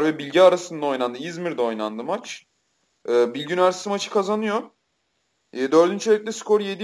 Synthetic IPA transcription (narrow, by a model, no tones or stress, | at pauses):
ɾvɛbilʲɟɛaɾasɯnd̪ao̞jnand̪ɯizmiɾd̪ɛo̞jnand̪ɯmat͡ʃ | ɯːbilʲɟynæɾsisimat͡ʃʰɯ̥kʰazanɯjo | d̪øɾd̪ynt͡ʃʰeɾʲɛcʲlʲɛsko̞ɾje̞d̪i